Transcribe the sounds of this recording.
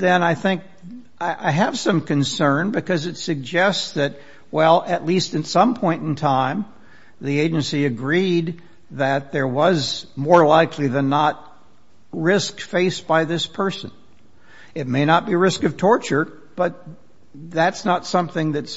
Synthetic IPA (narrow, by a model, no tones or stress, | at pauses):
ðɨ̃naɪθɪ̃ŋk̚ | ʔaɪʔaɪɨv̥sʌ̃mkɨ̃nsɜ̃˞nbɨkʌzɨtsɨɡ̚d͡ʒɛstsðɨt̚ | wɛlˠɨtˡlistɨ̃nsʌ̃mpʰɔ̃ɪ̃ntn̩tʰãɪ̃m | ðieɪd͡ʒɨ̃nsiɨɡɹid̪̚ | ðɨt̪̚ðə˞wʌzmɔɹlaɪkʰliðɨ̃nːət̚ | ɹɪskfeɪsb̥aɪðɪspʰɜ˞sɨ̰̃n | ɨt̚meɪñət̚b̥iɹɪskʌv̥tʰɔɹt͡ʃə˞ | b̥ʌt̪̚ | ðætsnətsʌ̃mθɪ̃ŋðɨts